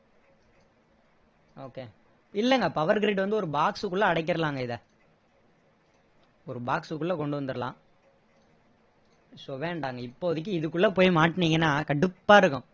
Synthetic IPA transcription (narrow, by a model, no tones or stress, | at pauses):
oːkeː | ɪlːɛŋɡɐpɐʋɐɾɡɾiːʈʋɐnd̪ɯɔɾɯbaːksɯkːʊɭːɐɐɽɐɪk̬ːɪɾɐlaːŋɡɐɪðɐ | ɔɾɯbaːksɯkːʊɭlːɐkɔɳɖɯʋɐnd̪ɯɾɐlã̰ː | soːʋeːɳɖaːŋɡɐɪpːoɐðɐk̬ːɯɪðɯkːʊɭlːɐpoːjmaːʈːniːŋɡɐnːaːkɐɽɯpːaːɪɾɯkːʊ̃